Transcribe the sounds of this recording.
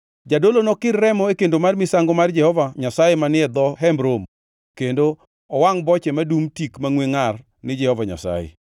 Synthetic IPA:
d͡ʒadolonɔkɪrːɛmɔekendomarmɪsaŋɡomard͡ʒɛhɔvaɲasajemanɪɛd̪ɔɦɛmbɾom | kendo | ɔwaŋbɔt͡ʃɛmadumtikmaŋweŋar | nɪd͡ʒɛhɔvaɲa̰sa̰jḛ

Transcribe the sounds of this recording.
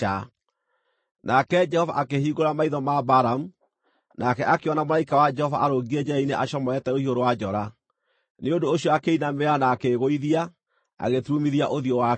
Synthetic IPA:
a | nakɛd͡ʒɛhɔva̰ʔakehiːɣoɾamaiðɔmabaɾamu | nakɛʔakeɔnamoɾaikawad͡ʒɛhɔvaʔaɾoɣiɛd͡ʒɛɛineʔaʃɔmɔɛtɛohioɾowad͡ʒɔɾa | neondoːɕiɔakeinameanaːkeɣoiðia | a̰ɣetɾumiðiaʔoðiowa

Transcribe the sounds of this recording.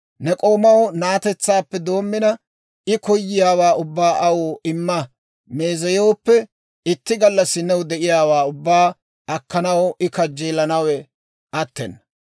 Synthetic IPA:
nɛkʼo̞ːmɐwnaːt̪ɛt͡sːaːpːɛd̪o̞ːmːɪnɐ | ɪkɔjːɪjaːwaːʊbːaːʔɐwoːɪmːɐ | me̞ːzɐjo̞ːpːɛ | ɪt̪ːɪɡɐlːɐsɪnɛwd̪ɛʔɪjaːwaːʊbːaː | ʔɐkːɐnɐwɪkɐd͡ʒːeːlɐnɐwɛ | ʔɐt̪ːɛ̰nːɐ

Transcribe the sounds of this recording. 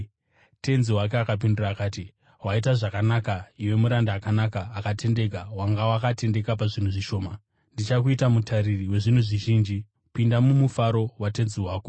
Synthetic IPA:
te̞nziwak̬eakap̬indiraːkaːti | ɦwait̬aʐakanakaiwe̞muɾandaːkanakaːkatʰe̞nde̞k̬awaŋɡawakate̞nde̞kap̬aʐin̤uʐiʃo̞ːma | ndit͡ʃakuitamutʰaɾiriwe̞ʐin̤uʐiʒiːnd͡ʒi | pindamumufaɾo̞wate̞nziɦwaːko

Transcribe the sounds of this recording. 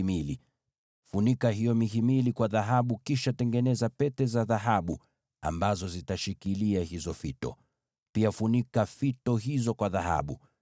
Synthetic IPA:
mili | funikaɦijɔmiɦimilikwaðaɦaɓukiʃatɛŋɡɛnɛzapɛtɛzaðaɦaɓu | a̰mbazɔzitaʃikiliahizɔfitɔ̰ | piafunikafitɔɦizɔkwaðaha̰ɓu

